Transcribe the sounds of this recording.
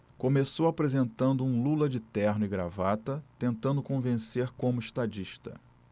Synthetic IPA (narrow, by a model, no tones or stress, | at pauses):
kõmesowapɾezẽnt̪ɐ̃nd̪ʊũlulɐd͡ʒɪt̪ɛɾnʊɪɡɾa̰vat̪ɐt̪ẽnt̪ɐ̃nd̪ʊkõvẽseɾkõmʊiʃt̪ad͡ʒiʃt̪ɐ̰